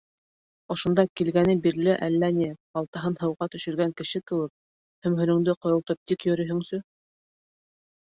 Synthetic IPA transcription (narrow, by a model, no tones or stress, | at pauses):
ŏʃŏnd̪ɑkilɡænɘbiɾlɘʔælːænibɑlˠt̪ɑɦɤnɦɤ̆wʁɑt̪ɵ̆ʃɘ̆ɾɡæŋkɘ̆ʃɘkɘ̆wɘk̚ | hɵ̆mɦɵ̆lɵ̆ŋd̪ɘqŏjŏlˠt̪ɤp̚t̪ikjɵ̆ɾɵ̆ɦɵ̆ŋsɵ